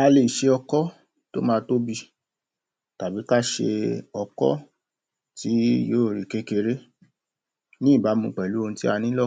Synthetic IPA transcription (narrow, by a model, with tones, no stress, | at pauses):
a˧le˨ʃe˧ɔ˧kɔ˦ | to̰˦mãː˦to˦bi˧ | ta˨bi˨˦ka˦˨ʃḛ˧ɔ˧kɔ̰˦ | ti˨˦joː˦˨ɾi˨ke˨˦ke˧ɾe˦ | nĩ˦˨ba˨˦mũ˧˨k͡pɛ˨lu˨˦o˧ti˦a˧nĩ˦lɔ˦˨